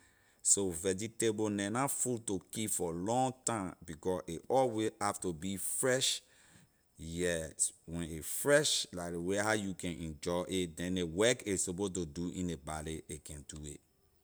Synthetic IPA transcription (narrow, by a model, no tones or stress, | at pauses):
sovɛd͡ʒitebonɛ̃nafultokipfɔlɔ̃ŋtãmbikɔseʔɔlwihaftobifɹɛʃ | jɛtwɛ̃nefɹɛʃlaɪkwehaʊjukɛ̃nʔɛ̃nd͡ʒɔɪʔetdɛ̃newɛkesopotoduʔḭ̃nebaliekʰɛ̃nduḛt